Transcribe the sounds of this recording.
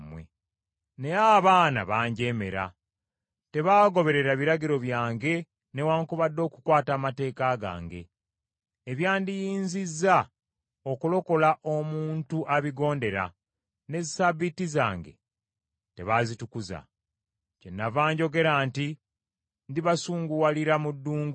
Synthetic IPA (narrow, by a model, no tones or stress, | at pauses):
mwḛ | ne̞aːβaːna̰βaːɲɟe̞ːme̞̰ɾa̰ | te̞βaːɡo̞βe̞ɾe̞ɾaβiɾaɡiɾo̞βjaːŋɡe̞ | ne̞waːŋkuβadːo̞ːku̥kwaːtaːmate̞ːkaɡa̰ːŋɡe̞ː | βjaːndijiːɲzizːa | o̞kulo̞ko̞laʔomuuːntuʔaβiɡo̞ːnde̞ɾa̰ | ne̞zisaβitiza̰ːŋɡe̞̰ | te̞βazitukuza̰ | cenːavaːɲɟo̞ɡe̞ɾaːnti | ndiβasuːŋɡuwaliɾamudːuːŋɡu